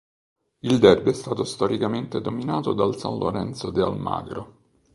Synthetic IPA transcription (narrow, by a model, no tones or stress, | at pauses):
ild̪ɛrbiɛst̪aːt̪ost̪ɔɾʔikament̪ed̪ominaːt̪od̪alsã̰nlʔo̰ɾɛnt̪sod̪ea̰lma̰ːɡɾo